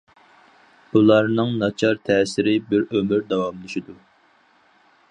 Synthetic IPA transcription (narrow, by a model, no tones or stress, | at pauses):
bulˠɑɾnɨŋnɑt͡ʃʰɑɾt̪ʰɛːsɪɾɪbɪɾømɪɾd̪ɑwɑmlˠɪʃid̪u